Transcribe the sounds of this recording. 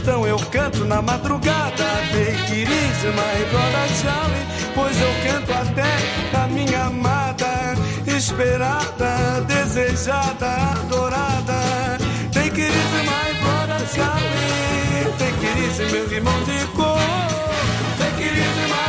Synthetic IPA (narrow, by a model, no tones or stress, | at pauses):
t̪ɐ̃w̃ewkɐ̃nt̪ʊnɐmad̪ɾuɡad̪ɐd̪ẽj̃kɪɾizɪmabɔɾɐʃalɪ | pojzewkɐ̃nt̪ʊat̪ɛɐmĩɲɐamad̪ɐ | eʃpeɾad̪ɐd̪ezeʒad̪ɐad̪oɾad̪ɐ | t̪ẽj̃kɪɾizɪmajbɾɔɾɐʃali | t̪ẽj̃kɪɾizɪ̃mewiɾmɐ̃w̃d̪ɪko | t̪ẽj̃kɪɾizɪma